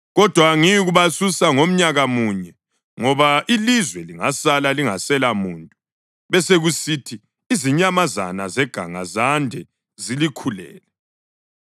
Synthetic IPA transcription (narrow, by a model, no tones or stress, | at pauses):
ɣɔd̥ʱwaŋijiɣuβasusaŋom̩ɲaɣamuɲɛ | ŋɔβaʔilizwɛliŋasalaliŋasɛlamuːntʼu | βɛseɣusitʰiː | ziɲamaza̰nazɛɡ̥ʱaŋa̰zandʱɛ | zilikʰulɛ̰ːlɛ